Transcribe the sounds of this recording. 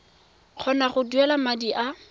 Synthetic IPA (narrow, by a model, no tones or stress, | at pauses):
k͡xʰɔnaχʊduɛlamadiʔa